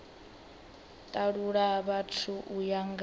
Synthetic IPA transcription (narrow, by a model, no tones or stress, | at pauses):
tʼaɺuɺaβatʰuʔujaŋɡ